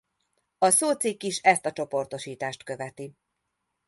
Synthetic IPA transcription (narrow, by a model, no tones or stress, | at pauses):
ɒsoːt̪sikːiʃɛst̪ɒt͡ʃo̞po̞rt̪o̞ʃiːt̪aːʃt̪køvɛt̪i